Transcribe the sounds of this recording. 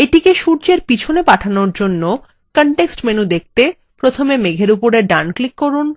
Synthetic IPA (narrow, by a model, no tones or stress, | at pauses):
eʈikeʃuɾt͡ɕeɾpit͡ɕʰonepaʈʰanoɾd͡ʑonːo | kəɳʈeksʈmenud̪ek̚ʰt̪e | pɾot̪ʰomemeɡʱeɾupoɾeɾɖanklikːoɾun